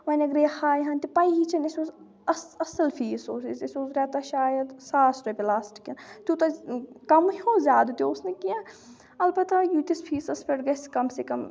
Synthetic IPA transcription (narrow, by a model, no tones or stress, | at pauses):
ʋɐnɐɡɾeːhaːjɦɐnʲt̪ipɐjɦit͡ʃʰɐnɐsʲoːz | ɐsɐsɐlfʰiːsoːsisɐsʲoːzɾʲaːt̪ɐʃaːjɐd̪saːsʈɐpelaːsʈkʲɐnt̪ut̪ɐkɐmoːzʲaːd̪ut̪ʲoʊsnekijãː | ɐlbɐt̪ajut̪ispʰiːsɐspʰeʈɡɐskɐmsekɐm